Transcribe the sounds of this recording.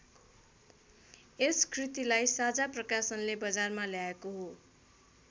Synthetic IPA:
eskʰrit̪ilajsad͡zaprʌkasʌnlebʌd͡zarmaljaekoɦo

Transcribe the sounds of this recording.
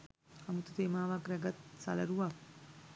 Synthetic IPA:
amut̪ut̪eːmaːʋakɾɛɡat̪sa̰lɐ̰ɾuʋak̚

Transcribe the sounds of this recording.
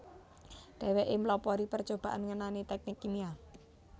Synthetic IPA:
d̪̥ɛ̤wɛʔɪmlɔpɔɾipərt͡ʃob̥aʔanŋənanit̪ɛk̚nɪkːinia

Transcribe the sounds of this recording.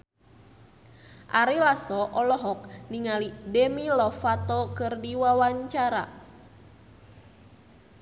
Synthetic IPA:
ʔaɾilasɔʔɔlɔɦɔk̚niŋalidemilɔfat̪ɔkɨrdiwawaɲt͡ʃaɾa̰

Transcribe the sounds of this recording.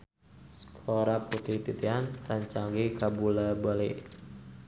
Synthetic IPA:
sə̥kʰoɾaput̪it̪it̪ianlaɲt͡ʃaŋɡikabulabaleʔ

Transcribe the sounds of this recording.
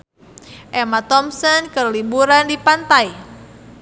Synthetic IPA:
ʔɛmat̪ɔmsɔnkərlibuɾandipant̪aj

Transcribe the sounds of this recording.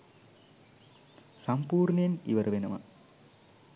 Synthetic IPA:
sampuːrnəjenḭʋəɾəʋenəʋə̰

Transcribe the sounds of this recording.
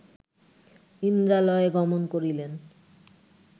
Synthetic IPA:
ind̪ɾalɔeɡɔmonkoɾilen

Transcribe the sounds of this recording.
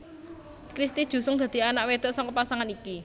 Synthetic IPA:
kɾist̪i̥ʒ̥ṳsʊŋd̪̥ä̤d̪̥i̤anaʔwed̪̥ɔ̤ʔsɔŋkɔpasaŋaniki

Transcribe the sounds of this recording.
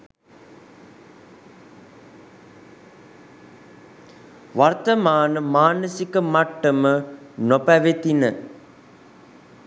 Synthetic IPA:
ʋart̪əmaːnəmaːnəsikəmaʈːəmənopæʋet̪inə

